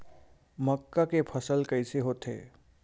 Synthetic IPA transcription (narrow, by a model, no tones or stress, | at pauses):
məkːakepʰəsəlkəɪseɦoːt̪ḛː